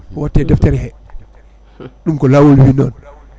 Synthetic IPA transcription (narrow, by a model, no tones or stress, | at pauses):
watːedɛfteɾhɛ | ɗumkɔlawolwinɔ̰n